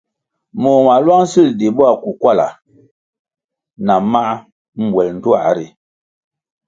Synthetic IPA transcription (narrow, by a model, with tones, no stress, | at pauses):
mo˨ma˨lwa˦ŋsi˦˨ldi˨bɔ˦a˦˨ku˨kwa˦˨la̰˨ | na˨ma˦ʔ | m̩˨bwɛ˨ln̩˨tu˦a̰˨ɾi˨